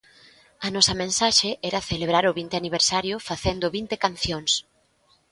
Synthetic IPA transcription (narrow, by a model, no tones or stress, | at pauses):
ɐnɔsɐmẽnsaʃeʔɛɾɐθeleβɾaɾʊβint̪eaniβ̞eɾsaɾjʊfaθend̪ʊβint̪ekan̟θjoŋs